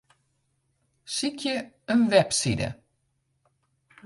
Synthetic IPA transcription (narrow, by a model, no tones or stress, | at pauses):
sɪkʰəənvɛb̥sḭːd̪ə̰